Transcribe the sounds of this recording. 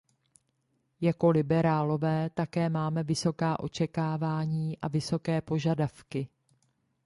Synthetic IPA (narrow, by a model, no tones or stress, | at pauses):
jako̞lɪbɛɾaːlo̞vɛːt̪akɛːmaːmɛvɪso̞kaːʔo̞t͡ʃɛkaːvaːɲiːʔavɪso̞kɛːpo̞ʒadafkɪ